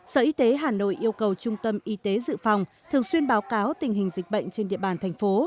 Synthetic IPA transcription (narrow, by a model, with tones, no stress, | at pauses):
səː˧˩ʔi˧˦t̪e˨˦ɦaː˨˩no̰˧˨jʔi˧əwkə˨˩wt͡ɕʊ˧ŋ͡mt̪ə˧mʔi˧t̪e˨˦zɨ̰˧˨fa˧˩wŋ͡mt̪ʰɨ˨˩əŋswi˧ənɓaː˨˦wkaː˨˦wt̪ï˨˩ŋ̟ɦï˨˩ŋ̟zï˨˩k̟̚ɓə̰˧˨jŋ̟t͡ɕe˧nɗḭ˧əɓaː˧˩nt̪ʰjŋ̟fo˨˦